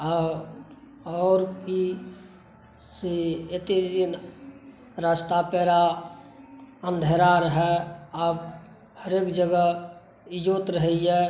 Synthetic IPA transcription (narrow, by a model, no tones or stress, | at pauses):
ɔːɾki | seɪt̪ed̪ɪn | ɾaːst̪apɛːɾa | ə̃nd̪ʱeɾaɾɦɛaːb | həɾeːkd͡ʒəɡə | ɪd͡ʒoːt̪ɾəɦiɦɛ